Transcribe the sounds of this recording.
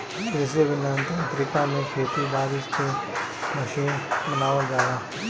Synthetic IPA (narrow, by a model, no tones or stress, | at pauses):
ɾɪs̬eʋɪnant̪ãnt̪ɾɪkaːnẽkʰeːt̪id̪aːɾɪst̪ʰemɐʃiːnbənaːʋad͡ʒaːdaː